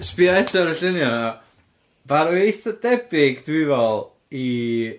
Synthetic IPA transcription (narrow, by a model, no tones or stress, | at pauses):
spiaɛtʰaɾəɬɪnjɔna | vaɾuejθɔdɛbɪɡdwivɔlˠ | i